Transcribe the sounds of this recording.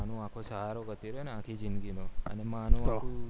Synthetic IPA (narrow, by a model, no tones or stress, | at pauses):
nũakʰosəɦaɾoɡət̪iɾeneãkʰid͡ʒinɡinoə̰nemanũaũ